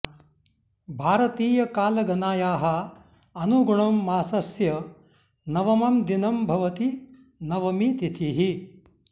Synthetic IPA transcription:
bʱaːɾɐt̪iːjɐkaːlɐɡɐnaːjaːɦɐ | ɐnuɡuɳɐmːaːsɐsjɐ | nɐʋɐmɐmd̪inɐmbʱɐʋɐt̪i | nɐʋɐmit̪it̪ʰiɦi

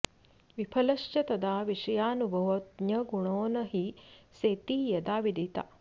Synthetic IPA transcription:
ʋipʰɐlɐʃt͡ʃɐt̪ɐd̪aːʋiʂɐjaːnubʱɐʋot̪̚njɐɡuɳoːnɐɦiseːt̪iːjɐd̪aːʋid̪it̪a̰

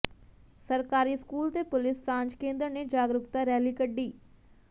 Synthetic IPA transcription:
səɾkaːɾiːskuːlt̪eːpʊlɪsːãːɲd͡ʒkẽːnd̪əɾneːd͡ʒaːɡɾʊkt̪aːɾɛːliːkəɖːiː

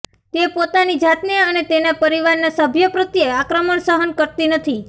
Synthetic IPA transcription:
t̪epot̪anid͡ʒat̪niənet̪enapəɾiʋaɾnasəbʱjəpɾət̪jeakɾəməɳsəɦənkəɾt̪inət̪ʰi

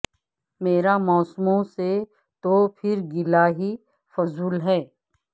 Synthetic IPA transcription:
meːɾamɔːsmõse | t̪opʰɪɾɡɪlaɦi | fʊzuːlɦɛː

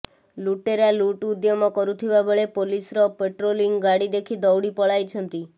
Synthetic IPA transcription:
luʈeɾaluʈud̪jɔmɔkɔɾut̪ʰibabeɭepolisɾɔpeʈɾoliŋɡaɽid̪ekʰid̪ɔwɽipɔɭajt͡ʃʰɔnt̪i

